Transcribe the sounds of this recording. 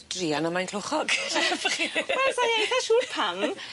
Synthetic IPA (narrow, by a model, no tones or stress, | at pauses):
d̥riːanəmajnkʰloχɔɡfəχiaɔsajejθaʃuːrpʰam